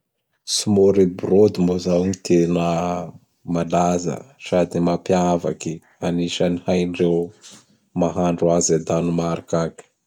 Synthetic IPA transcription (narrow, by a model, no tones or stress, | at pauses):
simoɾibrod̪imbozawɲit̪ʰenə | malazə̰sad̪imapiava̰ki | aniʃənihajnɖ͡ʐew | maɦaɳɖ͡ʐuazed̪anumaɾikaki̥